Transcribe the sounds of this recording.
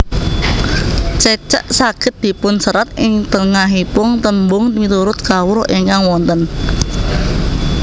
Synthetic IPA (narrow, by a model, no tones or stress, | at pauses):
t͡ʃət͡ʃə̰ʔsaɡ̥ɪ̤t̪̚d̪̥i̤pʊnsəɾat̪̚ʔɪŋt̪əŋaɦipʊŋt̪əmbʊŋmit̪uɾʊt̪̚kawʊɾʔeŋkaŋwɔnt̪ən